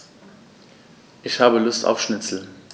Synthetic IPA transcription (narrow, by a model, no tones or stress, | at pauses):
ʔɪçhaːbəlʊstʰa̰ʊfʃnɪt͡sl̩